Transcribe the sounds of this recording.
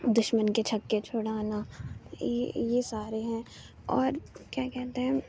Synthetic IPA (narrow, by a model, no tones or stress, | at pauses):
d̪ʊʃmənket͡ʃʰɐkːet͡ʃʰoːɽaːna | jesaːɾeɦɛ̃ | ɔːɾkjaːkɛɦt̪eɦɛ̃